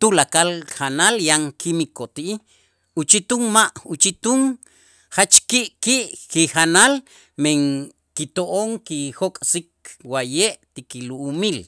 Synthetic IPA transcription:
t̪ulakalχanaljaŋkʰimikot̪iʔi | ut͡ʃit̪uŋmaʔut͡ʃit̪uŋ | χat͡ʃkiʔkiʔkiχanal | meŋ | kit̪oʔoŋkixokʼsikwajeʔt̪ikiluʔːmil

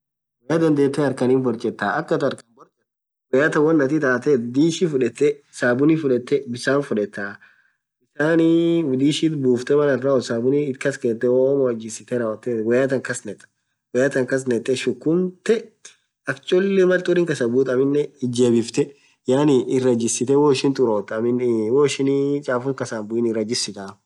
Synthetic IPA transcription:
wɛjaːd̪ɐnd̪eːt̪ːɛɐɾkɐniːnbɔɾt͡ʃʼɛt̪ːaːʔɐkːɐt̪ɐɾkɐnbɔɾt͡ʃʼɛt̪ː | wɛjaːt̪ɐwɐnːɐt̪it̪aːt̪ɛd̪iːʃifʊᶑɛt̪ːɛsaːbʊnifʊᶑɛt̪ːɛbɪsaːnfʊᶑɛt̪ːa | bɪsaːnid̪iːʃiːt̪buːft̪ɛmɐnɐrːaɔsaːbʊniɪkɐskeːt̪ːɛwomɔɐd͡ʒːɪsɪt̪ɛɾaːwɐt̪ːewɐjaːt̪ɐŋkɐsnɛt̪ʼ | wɛjaːt̪ɐŋkɐs̬nɛt̪ʼːɛʃʊkːʊnt̪ɛ | ɐkt͡ʃʼɔlːɛmɐlt̪ʼʊːɾɪŋkɐsɐbuːt̪ʼɐmɪnːɛɪd͡ʒeːbɪft̪ɛ | jaːnɪʔɪrɐd͡ʒɪsːɪt̪ɛwoːɪʃɪnt̪ʼʊɾoːt̪ɐmɪnwoːɪʃɪnt͡ʃʼaːfʊŋkɐsanbʊɪnɪrɐd͡ʒɪsɪt̪ʼaː

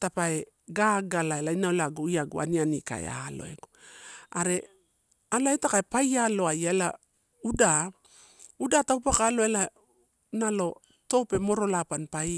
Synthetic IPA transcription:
tapae | ɡaːɡalaelainaolaɡuiaɡṵa̰nianika̰ḛa̰lo̞̰e̞̰ɡoaɾe̞ | alaetakaepajalo̞ajaela | uda | udatawpakaːlo̞ela | nalo̞ | to̞pe̞mo̞ɾo̞lapanpaj

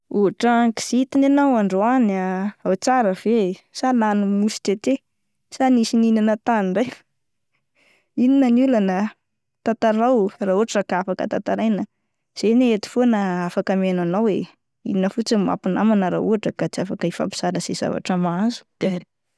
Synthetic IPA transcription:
uɦaʈ͡ʂaki̥z̥it̪inenawaɳɖ͡ʐoanaawt͡saɾəv̥esalanumusi̥tet̪e | sanisininanət̪aniɳɖ͡ʐaj | ininənulanə | t̪at̪aɾawraːuaʈ͡ʂakaafakə̰t̪at̪aɾajnə | z̥eneet̪i̥fonəafakəmenanawe | ḭninəfut͡sima̰pinamanəɾa̰uɦaʈ͡ʂəkat͡siafakəifa̰pi̥z̥aɾəz̥ez̥a̰va̰ʈ͡ʂəmaaazu̥d̪̥aɾi̥

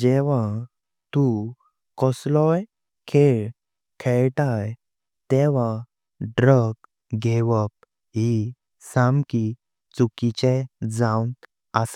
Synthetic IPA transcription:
ɛʋã | t̪u | kɔslɔj | kʰeɭ | kʰeɭʈaj | t̪ɛʋ̤ã | ɖɾək | ɡʱɛʋəp̚ | ɦi | samki | t͡sukit͡ɕed͡zawn | əs

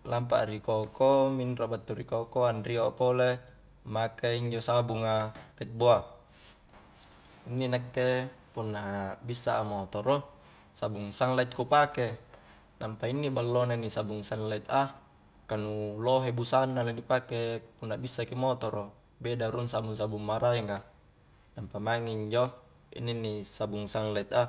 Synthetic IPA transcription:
lampa̰ʔɾikokominrobat̪ːuɾikokoanriopole | makaiɲd͡ʒosabuŋalait̪̚boa | inːinakːe | punːabisːaʔːmot̪ɔɾo | sabuŋsaŋlait̪̚kupake | nampainːibalːonanisabuŋsaŋlait̪a | kanuloɦebusanːalanipakepunːabisːakimot̪ɔɾo | bedaɾunsabuŋsabuŋmaɾaeŋa | nampamaŋiiɲd͡ʒo | ḭnːinːisabuŋsaŋlait̪a

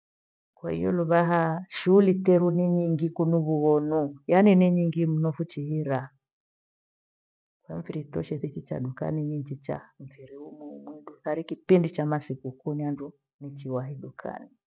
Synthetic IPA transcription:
kwa̰hḭjɔ̰luβaɦaʃuːlitɛɾuniɲiŋɡikunuβuɣɔnujaniniɲiŋɡim̩nufut͡ʃiɦiɾa | kwam̩viɾitɔʃɛθit͡ʃit͡ʃa̰ɗuka̰niɲiɲd͡ʒit͡ʃa̰ɱ̩fiɾiumumwɛɗuθaɾikipindit͡ʃamasikukuniandu | nit͡ʃiwaɦiɗukʰa̰ni

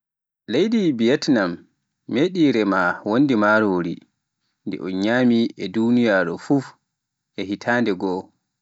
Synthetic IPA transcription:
lejdibijɛtnamː | eːɗiːɾɛmawonːdimaːɾoːɾḭ | ndɛ̰ʔɔnɲaːmiʔɛdunijaːɾɔfuf | ʔɛɦitʰaːndɛɡɔ

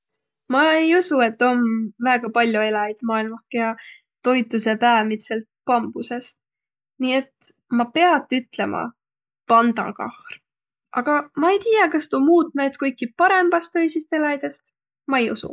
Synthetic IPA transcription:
mɑejusue̞t̪ːo̞nvæːɡ̥ɑpɑlʲjoe̞lɑid̪̥mɑːilmɑhkːejɑ | t̪o̞jt̪ːˑuse̞pæːmit̪selt̪̚pɑmb̥use̞st̪ | nie̞t̪ | mɑpe̞ɑt̪ːˑyt̪ˑle̞mʔɑ̰ | pɑnd̪̥ɑ̰nkɑ̰hr | ʔɑɡ̥ɑmɑe̞jt̪ijɑkɑst̪umuːt̪ːˑnæt̪kɤjkːˑipɑɾe̞mb̥ɑst̪ɤjsist̪e̞lɑjd̪̥e̞st̪ | mɑejṵsṵ

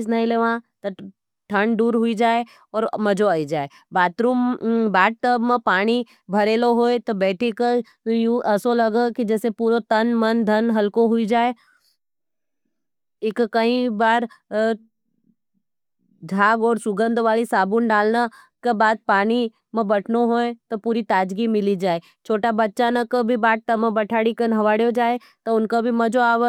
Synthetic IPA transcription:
snɐɦĩleːʋãt̪ɐ | ʈʰɐɳɖuːɾɦʊid͡ʒaːe | ɔːɾmɐd͡ʒoaːid͡ʒaːe | baːt̪ɾuːmbaːʈ̚ʈ̪əbmpaːɽ̃i | bʱɐɾeːloɦoːet̪obɛːʈʰekə | juʔɐsolɐɡəkid͡ʒɛːsepuːɾot̪ɐnmɐnd̪ʱɐnɦɐlkoɦʊid͡ʒaːe | ekkɐĩbaːɾ | d͡ʒʱaːɡɔːɾsʊɡə̃nd̪ʱʋaːlisaːbunɖaːlna | kebaːd̪̚paːni | mɐ̃bɐʈʰnoɦoːẽt̪opuːɾit̪aːd͡ʒɡimɪlid͡ʒaːe | t͡ʃʰoːʈabɐtːʃanɐkɐbʱibaːʈ̚t̪ɐmɐ̃bɐʈʰaːɽikɐnɦɐʋaːɽjod͡ʒaːe | t̪ɔʊnkabʱimɐ̃d͡ʒoaːʋə

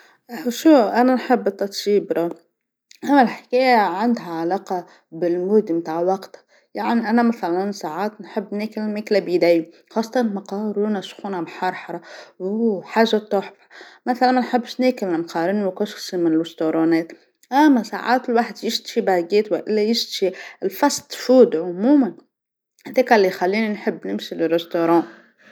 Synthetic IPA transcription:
ʔʃuːʔananħɪbːt̪ːɑt̪ˤʃiːbɾˤɑː | ʔamːalħɪ̥keːjaʕand̪ɦaʕalaːqɑ | bɪlmuːd̪imt̪aːʕwɑɡt̪ḁ | jaʕniʔanamaθalaansaːʕaːt̪nħɪbːneːkɪlmeːklabid̪aːji | xɑːsˤːɑt̪ɑnmɑqɑːɾuːnaʃxunamħɑɾˤħɑɾˤɑwħaːʒːat̪ˤoːħfḁmæθalænnħəbːʃneːkɪlmqɑːɾɪnwkʊʃsimɪnɪlʊst̪oɾˤɑːnɛːt̪ | ʔæmːæsa̰ʕa̰ːt̪ɪlwaħd̪jɪʃt̪ʃibaɡeːt̪wæ̰ʔɪlːæjɪʃt̪ʃiɪlfɑst̪ˤfuːd̪ʕʊmuːman | hðɛːkælːixalːiːninħəbːnɪmʃilɪrːɪst̪oɾˤɑ̃ː

